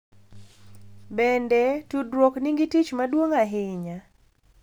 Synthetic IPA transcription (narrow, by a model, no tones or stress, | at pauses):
bɛndɛtudɾokniŋɡitit͡ʃmadwoŋaɦɪɲa